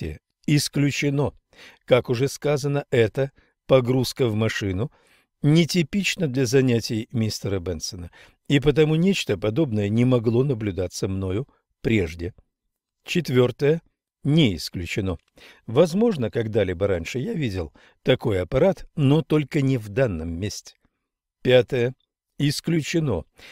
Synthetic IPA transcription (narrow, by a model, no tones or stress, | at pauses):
ə̰ | ɪsklʲʉt͡ɕɪno̞ | kakʊʐɛskazənəʔɛt̪ə | pɐɡɾuskəvmɐʂɨnʊ | nʲɪtʲɪpʲit͡ɕnəd̪lʲɐzɐnʲætʲɪjmʲist̪əɾəbɛnt̪sənə | ipət̪̬ɐmunʲet͡ɕt̪əpɐd̪o̞bnəjənʲɪmɐɡlˠo̞nəblʲʊd̪at̪səmno̞jʊ | pɾʲe̞̰ʐdʲɪ | t͡ɕɪt̪vʲo̞rt̪əjə | nʲɪɪsklʲʉt͡ɕɪno̞ | vɐzmo̞ʐnəkɐɡd̪alʲibəɾanʲʂɨjavʲidʲɪlˠ | t̪ɐko̞jɐpɐɾat̪no̞t̪o̞lʲkənʲɪvd̪anːəmːʲesʲtʲɪ̥ | pʲat̪əjə | ɪsklʲʉt͡ɕɪno̞̰